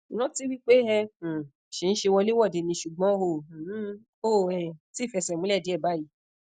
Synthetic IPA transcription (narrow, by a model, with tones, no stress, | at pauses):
nɔ̃˦ti˦wi˦k͡pe˦ɦɛ̃˧˨ | ʃe˨˧ñ̩˦ʃe˧wɔ˧le˦wɔ˦˨de˨˧˨nĩ˧ʃu˨ɡ͡bɔ̃˨˦hõ˧˨˦ | o˦˨ɛ˨ti˦˨fɛ˧˨sɛ˨mũ˨˦lɛ˦˨di˨˦ɛ˦˨ba˨˦ji˨˦